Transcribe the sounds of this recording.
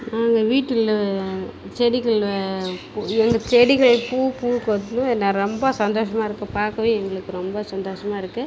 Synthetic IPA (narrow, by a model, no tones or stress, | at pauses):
naːŋɡɐʋiːʈːɯl | t͡ʃɛɽɪɣɐɭpːɛŋɡɐt͡ʃɛɽɪɣɐɭpuːpuːkot̪̬ːnʊ̃ɛnːaɾɔmbɐsɐnd̪oːʂɐmaːɪɾɯkːɯpaːɾkɐʋeːɛŋɡɐɭɯkːɯɾɔmbɐsɐnd̪oːʂɐmaːɪɾɯkːɯ